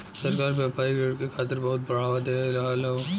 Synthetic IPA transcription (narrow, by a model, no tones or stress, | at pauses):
sɐɾkaːɾbjaːpaːiɡʱɐɽkekʰaːt̪əɾbɐɦʊt̪̚bɐɽ̤aːʋat̪elaːlo